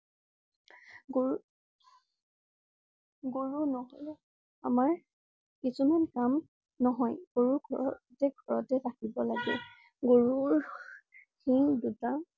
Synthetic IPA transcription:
ɡo | ɡoɹunɔɦɔl | amaɹ | kisumankam | nɔɦɔjɡ̥oɹuɡʱɔɹɔtɛɡʱɔɹɔtɛpakibɔlaɡɛ̰ | ɡoɹuɹ | xiduta

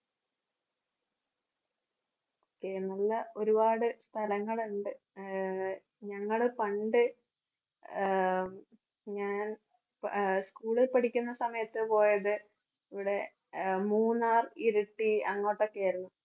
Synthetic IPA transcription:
okːenɐlːɐʔo̞ɾubaːɽɨst̪ʰɐlɐŋːɐɭuɳɖɨ | ɲɐŋːɐɭpɐɳɖɨ | ɲaːn | skuːɭilpɐʈikʲːunːɐsɐmɐjɐt̪ːɨpo̞ːjɐðɨ | iʋiɽe̞ | muːnːaːriɾuʈːiɐŋːo̞ːʈːo̞kːejɐːɾunːu

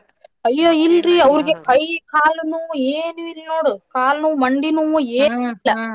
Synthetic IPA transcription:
ɐjːoːilɾiɐʋɐɾiɡekɐjkaːlnuʋũeːnuilnoːɽɯkaːlnũːmɐɳɖinuʋũeːnuilːɐ

